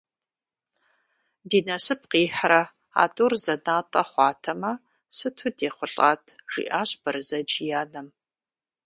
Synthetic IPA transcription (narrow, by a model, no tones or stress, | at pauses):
diːnɐsɨp̚ʰqiːħɾɐ | a̰ːtʼurzɐnaːtʼɐχʷɑːtʰɐmɐ | sɨtʰudeːχʷʊɬʼa̰ːtʰʒ̥ḭːʔaːɕʼbɐɾɨzɐd͡ʒjaːnɐm